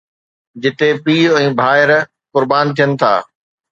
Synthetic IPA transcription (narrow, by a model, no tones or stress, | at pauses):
d͡ʑɪt̪epiːɛ̃ːbʱaːɪɾ | kʊɾbaːnt̪ʰijənɪ̆t̪ʰa̰ː